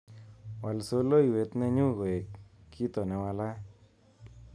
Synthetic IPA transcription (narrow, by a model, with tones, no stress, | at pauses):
wa˨lso˦lo˦i˨we˨t̪nɛ˦ɲʊ˦ɡo˨e˨kːi˦t̪o˨nɛ˧wa˧la˦